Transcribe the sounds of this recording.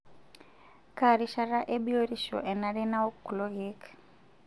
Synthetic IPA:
ka˨ɾi˦ʃa˦ɾa˦ʔe˦bi˦o˦ɾi˦ʃɔ̰˨ʔɛ˨na˦ɾi˦na˦o˦kːu˨lɔ˦ɣi˦k

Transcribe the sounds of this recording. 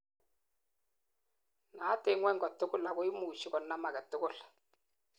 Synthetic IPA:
naː˨˦tɪ˦ŋwɛ˦ŋɡɔ˨tʊ˦kʊ˦˨la˨kʊ˦ɪ˦muː˨ʃɪ˦kɔ˨nːa˦ma˨kɛ˨tʊ˦kʊ˦˨l

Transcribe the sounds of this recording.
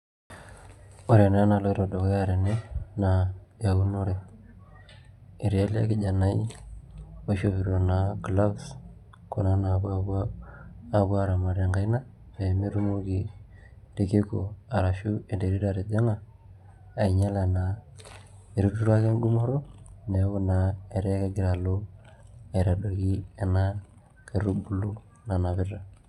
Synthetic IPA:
o˨ɾe˨na˦na˨lo˦ɾo˨do˨ko˦ja˦ɾe˨ne˦na˨ja˨wu˦no˦ɾe˨ | i˨ɾi˨a˦la̰˦kɪ˦˨d͡ʒa˨na˦i˦ | o˦ʃo˦βi˨ɾo˨na˨kla˦bs | ko˨na˦na˨b | a˨bu˦a˦ɾa˨ma˨ɾe˨ŋɡa˨i˦na˦ | ɾe˨me˦ɾu˦mo˦ki˨ | ɾe˦ke˦ko˨a˨ɾa˨ʃu˦e˨de˨ɾi˦ɾa˨ɾe˨de˦ŋaː˦˨ | i˨ɲa˦la˨na˨ | e˨ɾu˦tu˦ɾa˦ke˦nɡu˦mo˦ɾo˦ne˨˦wu˦na˨e˨ɾe˦ka˦ɡi˦ɾa˨lo˦a˨ɾa˨do˨ɡi˦e˨na˦ | ke˨ɾu˦bu˨lu˦ | na˨na˨βi˦ɾa˨

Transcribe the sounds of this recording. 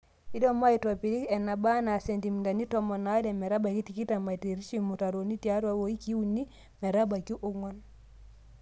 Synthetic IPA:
i˦dɔ˦ma˦i˨tɔ˨pi˨ɾi˦kɛ˨na˨ba˦na˨se˨ndi˨m˨da˨ni˦tɔ˨mɔ˨na˨˦dɛ˨mɛ˨ɾa˦ba˨ki˦ti˨ki˦ta˨ma˨te˨ɾi˦t͡ʃi˦˨mu˨ta˨ɾo˨ni˦ti˦a˦ɾwa˦wo˨i˦ki˦wu˨nːi˦ | mɛ˨ɾa˦ba˨ki˦ʔo˦ŋwɔ˦n

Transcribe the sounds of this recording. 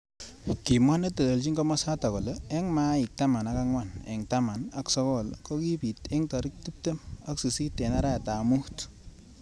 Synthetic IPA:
ki˨mwa˦ne˦te˨lo˨lt͡ʃi˦ŋɡɔ˦mɔ˦sa˦ta˨ko˨le˦ɛ˦ŋma˦ɪ˨k̚ta˦ma˨na˦ka˦ŋwa˦˨nɛ̰˨ŋta˦ma˨na˨ksɔ˦kɔ˦lko˦ki˦pi˨tɛ˦ŋtɔ˨ɾi˦k̚ti˦p̚te˦ma˦ksi˨si˦te˨na˦ɾa˦a˨ta˨mu˦t

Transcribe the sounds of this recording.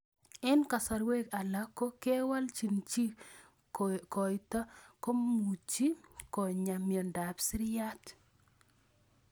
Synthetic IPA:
ɪ˦nka˨sa˨ɾwe˦ka˨la˦kːo˦ke˦wa˦lt͡ʃi˨nt͡ʃi˦ | kɔ˨jta˦ko˦mu˨t͡ʃi˦kɔ˨ɲa˨mjɔ˨nda˨psɪ˦ɾja˦t

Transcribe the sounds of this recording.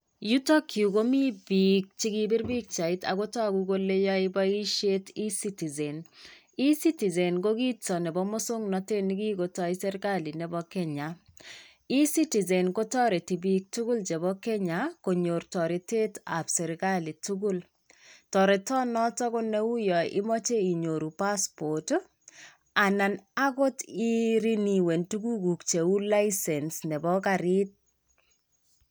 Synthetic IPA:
ju˦tɔ˦kju˨ko˦mi˦bik̚t͡ʃi˦ɡi˦bi˦ɾbi˦k̚t͡ʃa˨i˦ta̰˨ko˦tɔ˦˨kuko˦le˦jɔ˦ɪbɔ˦i˦ʃe˦ti˦si˦ti˨ze˨n | i˦si˦ti˨ze˨nɡo˦ɡi˦tɔ˨nɛ˨bɔ˦mo˦sʊ˦ŋnɔ˨te˦ni˦ɡi˦ko˨tɔ˦i˦sɛ˦ɾka˦li˨nɛ˨bɔ˦kɛ˦ɲa˨ | i˦si˦ti˨ze˨nko˦tɔ˦ɾe˨ti˨bi˨k̚tu˦ɡu˦lt͡ʃe˨bɔ˦ke˦ɲa˨ko˨ɲo˨ɾtɔ˨ɾɪ˨te˦ta˨psɛ˨ɾka˦li˨tu˦ɡu˦l | tɔ˨ɾe˨tɔ˦nɔ˦tɔ˦kʊ˦ne˦u˦jɔ˨ʔɪ̰˦mɔ˦t͡ʃe˦i˨ɲo˨ɾu˨pa˦spo˨t | a˨na˨na˦ɡo˦ti˦ɾi˦ni˨we˨ntu˦ɡu˦ɡu˨kt͡ʃe˨u˦la˦isɛ˨nsnɛ˨bɔ˦ka˨ɾɪ˦t̚

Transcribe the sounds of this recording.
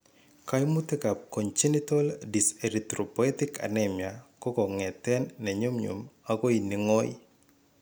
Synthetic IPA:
ka˦jmu˦te˦ka˨p̚ko˨ɲt͡ʃi˦ni˦to˦ldi˨se˨ɾit̪ɾo˨poɛ˦tɪ˦ka̰˨nɛmja˨kɔ˦kɔ˨ŋɛ˨tɛ˦nːɛ˨ɲo˦mɲṵ˨ma˦ɡo˦i˨ni˨ŋɔ˦j

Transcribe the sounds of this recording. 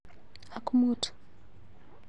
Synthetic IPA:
a˨ku˦mu˦tʰu̥˨

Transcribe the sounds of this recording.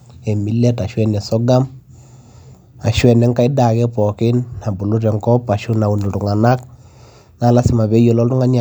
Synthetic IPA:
ɛ˨mi˦lɛ˦ta˨ʃwɛ˦nɛ˨sɔ˦ɡa˦m | a˨ʃwɛ˨nɛ˦ŋka˦i˦da˨kɛ˦pɔ˨kɪ˦nːa˨bu˨lu˦ɾɛ˨ŋkɔ˦pa˨ʃʊ˦na˨u˨ni˨ɾʊ˨ŋa˨na˦k̚ | na˨˦la˦sɪ˨ma˨βɛ˦jɔ˨lɔ˦ltu˦ŋa˦ɲa˨

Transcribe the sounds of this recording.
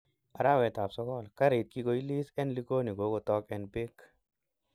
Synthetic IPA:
ʔa˨ɾa˦wɛ˨t̪a˨psɔ˦kɔ˦˨lka˦ɾi˨t̪̚ki˦ko˨ji˦li˦sɛ˦nli˦ko˦ni˨ɡo˨˦ko˧t̪ɔ˧kɛ˨nbɪ˦k

